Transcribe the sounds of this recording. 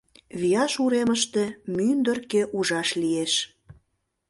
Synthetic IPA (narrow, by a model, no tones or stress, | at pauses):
βijɑʃuɾeməʃt̪emynd̪ə̆rkeʔuʒɑʃlieʃ